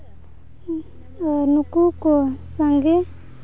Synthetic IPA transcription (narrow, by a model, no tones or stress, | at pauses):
nukukosəŋɡe